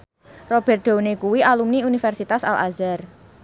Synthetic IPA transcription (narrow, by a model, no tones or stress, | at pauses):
rɔb̥ɛ̤rt̪̚d̪̥o̤nekuwialumniunifɛrsit̪asa̰lʔa̰zar